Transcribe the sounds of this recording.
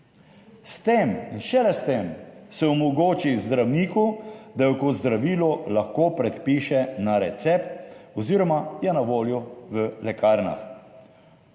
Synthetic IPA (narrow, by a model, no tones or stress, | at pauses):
st̪eminʃɛlɛst̪emsɛɔmɔɡoːt͡ʃizd̪ɾawniːkud̪ajɔkɔd̪zd̪ɾaʋiːlɔlaxkoːpɾɛt̪piːʃɛnaɾɛt̪sɛpt̪ɔziːɾɔmajɛnaʋoːljɔʋəlɛkaːɾna̰x